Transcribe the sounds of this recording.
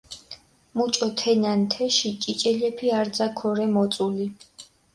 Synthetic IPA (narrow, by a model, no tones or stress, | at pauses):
mut͡ʃʼɔt̪ʰɛnant̪ʰɛʃit͡ʃʼit͡ʃʼɛlɛpʰiaɾd̪zakʰɔɾɛmɔt̪sʼuli